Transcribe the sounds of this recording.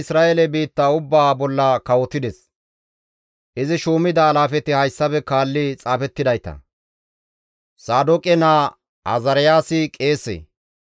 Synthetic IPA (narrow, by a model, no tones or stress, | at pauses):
ɪsɾaːʔelɛbiːt̪ːaːʊbːaːbɔlːɐkɐwɔt̪ɪd̪ɛs | ʔɪzɪʃoːmɪd̪ɐːlaːfɛt̪ɪhɐjsːɐbɛkaːlːɪt͡sʼaːfɛt̪ːɪd̪ɐjt̪ɐ̰ | saːd̪ɔkʼɛnaː | ɐ̰zɐɾɪjaːsɪkʼe̞ːsḛː